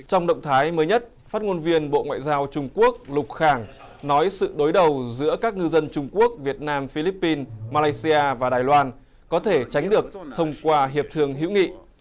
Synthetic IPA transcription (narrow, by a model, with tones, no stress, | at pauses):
t͡ɕɔ˧wŋ͡mɗə̰˧˨wŋ͡mt̪ʰaː˨˦jməː˨˦jɲə˦˥t̚ | faː˦˥t̚ŋo˧nvi˧ənɓo̰˧˨ŋwa̰ː˧˨jzaː˧wt͡ɕʊ˧ŋ͡mku˦˥ək̚lʊ˨˩k͡p̚xaː˧˩ŋ | nɔ˨˦jsɨ̰˧˨ɗo˨˦jɗə˨˩wzɨ̰˧˥əkaː˦˥k̚ŋɨ˧zə˧nt͡ɕʊ˧ŋ͡mku˦˥ək̚vi˨˩ət̚naː˧mfi˧li˦˥pːi˧nmaː˧laː˧jsi˧aː˧vaː˨˩ɗaː˨˩jlwaː˧n | kɔ˨˦t̪ʰe˧˩t͡ɕa˨˦jŋ̟ɗɨ˨˩ək̚t̪ʰə˧wŋ͡mkwaː˧ɦi˨˩əp̚t̪ʰɨ˧əŋɦḭ˧˥wŋḭ˧˨